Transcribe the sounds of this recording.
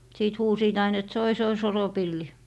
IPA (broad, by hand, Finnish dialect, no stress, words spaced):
siːt huːsiːt ɑin et soi soi soropilːi